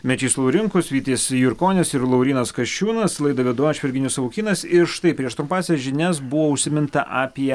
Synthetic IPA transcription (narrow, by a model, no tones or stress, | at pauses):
mʲɛt͡ʃʲiːslˠɐʊɾʲɪŋkʊsʋʲiːt̪ʲeːsʲjʊɾkoːnʲɛsɪɾlˠɐʊɾʲiːnɐskɐʃʲt͡ʃʲuːnɐslˠɐɪd̪ɐʋʲiɛd̪uɔt͡ʃʲʋʲɪɾʲɡʲɪnʲʊsɐʋʊkʲiːnɐsɪɾʃt̪ɐɪpʲɾʲiɛʃt̪ɾʊmpɑːsʲɛsʒʲɪnʲɛsbʊʋoːʊʃʲsʲɪmʲɪnt̪ɐʔaːpʲiɛ